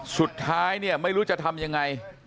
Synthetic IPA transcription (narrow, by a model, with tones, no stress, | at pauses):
su˨˩t̪ʰːaː˦˥jni˥˩əma˥˩jɾuː˦˥t͡ɕa˨˩t̪ʰa˧mja˧ŋːa˧j